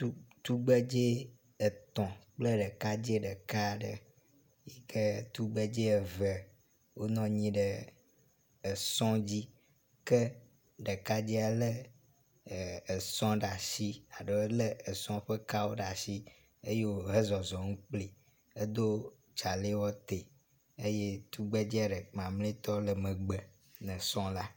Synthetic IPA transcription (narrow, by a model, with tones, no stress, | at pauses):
u˦t̪u˦ɡ͡bə˦d͡ʒe˦ | ə˨t̪ɔ̃˨k͡plə˦ɖə˨ka˦d͡ʑe˦ɖə˨ka˦ɖə̰˨ | ji˦kʰə˦t̪u˦ɡ͡bə˦d͡ʑe˦ə˨və˨ | wo˦nɔ̃˦ɲĩ˦ɖə˨ | ə˨sɔ̃˦d͡ʑi˦ | kə˦ | ɖə˨ka˦d͡ʑi˦a˨lə˦˨ | ə˨sɔ̃˦ɖa˨si˦a˨ɖə˨˦lə˦ə˨sɔ̃˦ɸə˦ka˦wo˦ɖa˨si˦ | e˦je˦wo˦ɦə˦zɔ˨zɔ˨ŋũ˦k͡pli˨ | ə˦d̪o˦ | t͡ʃa˨le˦wɔ˦t̪e˨ | ə˦je˦t̪u˦ɡ͡be˦d͡ʑi˦a˨ɖə˨mã˨mlẽ˦t̪ɔ˦lə˨mə̃˨ɡ͡bə˨ | nə̃˨sɔ̃˦la˦